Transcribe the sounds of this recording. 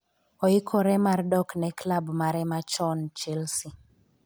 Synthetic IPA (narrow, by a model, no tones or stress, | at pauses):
ɔikʰɔɾɛmardɔknɛklabmaɾɛmat͡ʃɔnt͡ʃilsi